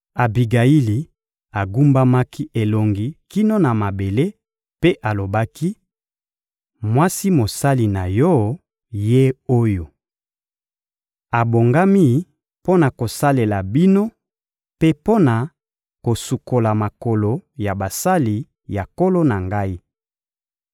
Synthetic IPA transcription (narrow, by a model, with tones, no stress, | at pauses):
a˨bi˨ɡa˨i˦li˨ | a˨ɡu˦mba˦ma˦ki˦ʔe˨lo˨ŋɡi˨ki˦no˦na˨ma˨be˨le˦ | pe˦ʔa˨lo˨ba˦ki˦ | mwa˦si˦mo˨sa˦li˨na˨jɔ˦ | je˦o˦jo˨ | a˨bo˨ŋɡa˦mi˦ | po˦na˨ko˨sa˦le˨la˨bi˦no˦ | pe˦po˦na˨ | ko˨su˨ko˨la˨ma˨ko˨lo˨ja˨ba˨sa˦li˨ | ja˨ko˦lo˦na˨ŋɡa˦i˦